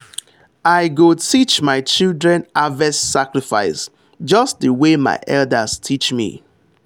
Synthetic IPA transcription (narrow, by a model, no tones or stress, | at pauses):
aɪɡotʰit͡ʃmaɪt͡ʃildɹɛ̃navɛssakɹifa̰ɪs | d͡ʒʌsðəwema̰ɪʔɛldəstʰit͡ʃmḭ